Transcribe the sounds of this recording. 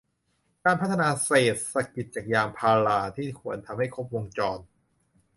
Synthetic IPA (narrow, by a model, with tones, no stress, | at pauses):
kaː˧npʰa˦˥t̪ʰːa˧naː˧seː˨˩t̪̚sa˨˩k̚pi˨˩t̪̚t͡ɕaː˨˩k̚jaː˧mpʰaː˧laː˧t̪ʰiː˥˩kʰu˩ənt̪ʰa˧mha˥˩jkʰo˦˥p̚wo˧ŋt͡ɕɔː˧n